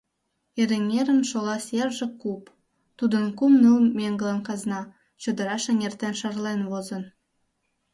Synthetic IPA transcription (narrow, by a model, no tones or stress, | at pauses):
eɾĕŋʲeɾɘ̆nʃolˠɑsjerʒɘ̆kup | t̪ud̪ɤ̆nkumnɯlmʲeŋɡɤ̆lˠɑnkɑznɑ | t͡ɕŏd̪ɤ̆ɾɑʃĕŋert̪enʃɑ̆rlenβozɤ̆n